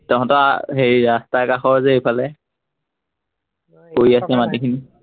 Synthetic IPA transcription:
tɔkɔ̃ntɔ̰ɦejɹastakaxɔɹzɛejpʰalɛ | koɹiasɛmatikʰini

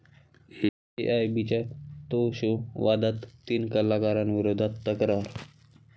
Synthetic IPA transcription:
he | eʔajbit͡ɕat̪oɕoʋad̪at̪ːiːnkəlakaɾanʋiɾod̪ʱat̪ːəkɾaɾ

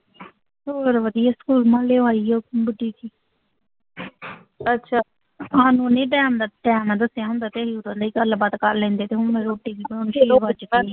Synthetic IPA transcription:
soːɾʋəd̪ijaːskuːlmãːleːʋaːiːɛbəɖiːt̪iː | ətːʃʰaː | ɦãːnũːnẽːʈɛːmd̪aʈɛːmnãːd̪əsjaːɦʊ̃nd̪aːt̪eːɦiːʊd̪ãːd̪aiːkəlbaːd̪kəɾlɛ̃ːnd̪eːt̪eːɦʊmẽɾoːʈːiːʋiːbə̃nʃiːʋət͡ʃi

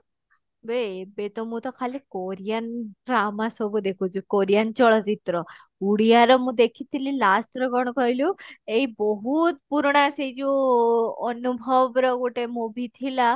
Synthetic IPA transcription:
bebet̪ɔmũt̪ɔkʰalikoɾijanʈɾamasɔbud̪ekʰut͡ʃʰukoɾijant͡ʃɔɭɔt͡ʃit̪ɾɔ | uɽijaɾɔmũd̪ekʰit̪ʰililasʈ̪ɾɔɡɔɽ̃ɔkɔɦiluejbɔɦut̪puɾɽ̃ased͡ʒu | ɔnubʱɔbɾɔɡuʈemũbʱit̪ʰila

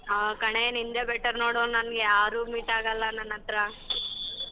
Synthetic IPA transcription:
akɐɳenind̪ebeʈːɐɾnoːɽoːnɐnɡeaːɾuːmiːʈaːɡɐlːɐnːɐnːɐt̪ɾɐ

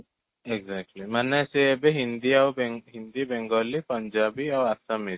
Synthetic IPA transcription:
eɡzɛk̚ʈlimanaseɛbeɦind̪iawbɛɦind̪ibɛŋɡɔlipəɲd͡ʒabiawasami

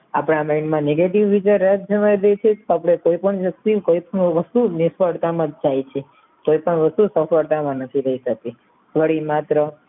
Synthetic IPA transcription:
a̰pɽamajnmãneɡeʈiʋːid͡ʒəjɾət̪̚d͡ʒəmajd̪ejt͡ʃʰet̪oapɽ̃ekoipəɳʋək̚t̪ikoipəɳʋəst̪unɪsʋəɽt̪amãd͡ʒajt͡ʃʰe | koipəɳʋəst̪usəfəɽt̪amãnət̪ʰiɾəɦiʃək̚t̪i | ʋəɽimat̪ɾə

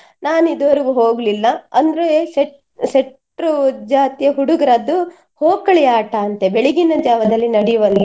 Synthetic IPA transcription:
naːnid̪ɐʋɐɾiɡuɦoːɡlilːɐɐnd̪ɐɾeseʈ | seʈ | ɾud͡ʒaːt̪ijɐɦuɽuɡɐɾɐd̪ːu | hoːkɐɭɛjaːʈɐːnt̪ebeɭiɡinɐd͡ʒaːʋɐd̪ɐlːinɐɽijʋɐli

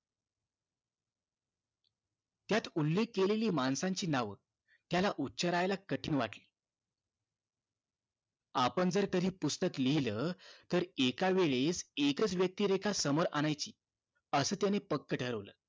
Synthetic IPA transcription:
t̪jat̪ulːekːeleliːmansãɲt͡ɕiːnaʋə | t̪jalaʔutːɕəɾajlakəʈʰiːnʋaʈliː | apəɳd͡zəɾt̪əɾiːpust̪əkliləːt̪əɾekaʋeɭesekət͡sʋjək̚t̪iːɾekʰasəmoɾʔaɽ̃ajt͡ɕiː | əsəːt̪janepəkːəʈʰəɾəʋləː

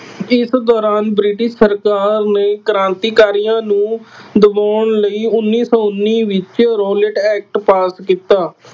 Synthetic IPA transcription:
ɪsd̪ɔːɾaːnbɾɪːʈɪʃsəɾkaːɾneːkəɾãːnt̪iːkaːɾijãːnũːd̪əbaːɳləiːʊnːiːsɔːʊnːiːʋɪt͡ʃɾoːlɪʈɛːk̚ʈpaːskiːt̪aː

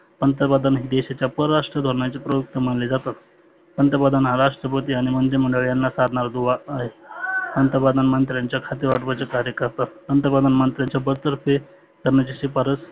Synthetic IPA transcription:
pənt̪əɾpad̪anɦid̪eɕat͡ɕjapəɾəɾaʂʈɾəd̪ʱoɾɳat͡sepɾəjuk̚t̪əm̤əɳled͡zat̪at̪ | ənt̪əpad̪anɦaɾaʂʈɾəpət̪iaɽ̃imənd̪im̤əɳɖəɭjanːasaɾɳaɾd̪uʋaːɦepənt̪əɾpad̪anmənt̪ɾjaɲt͡ɕjakʰat̪iɾʋaʈʋat͡sekaɾjəkəɾt̪at̪pənt̪ɾəpad̪anmənt̪ɾjaɲt͡ɕjabəɾt̪əɾfe | kəɾɳjat͡ɕesipaɾət͡s

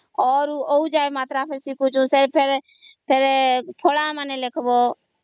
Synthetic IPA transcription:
ɔːɾuːoud͡ʒaːemaːt̪ɾaːpʰeɾsiːkʰũt͡ʃʰũːseɾpʰeɾpʰeɾpʰoːlãːmaneleːkʰboː

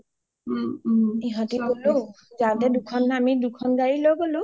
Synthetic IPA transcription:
iɦɔ̃tiɡolu | zatɛdukʰɔnamidukʰɔnɡaɹilojɡolʊ̃

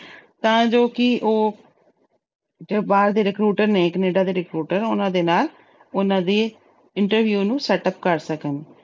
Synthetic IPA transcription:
t̪ãːd͡ʒoːkɪʔoː | d͡ʒebaːɾd̪eːɾɪkɾuːʈəɾneːkəneːɖaːd̪eːɾɪkɾuːʈəɾʊnãːd̪eːnaːl | ʊnãːd̪eː | ɪɳʈəɾʋjuːnũːsɛːʈəp̚kəɾsəkən

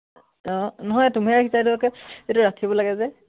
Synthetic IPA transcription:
ɔ̃nɔɦɔjtumɛakʰisadulɔkɛetuɹakʰibɔlaɡɛzɛ

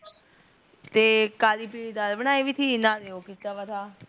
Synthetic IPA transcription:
t̪eːkaːliːpid̪albəñaːiʋiːt̪ʰiːnãːd̪eːoːkit̪aːʋaːt̪ʰaː

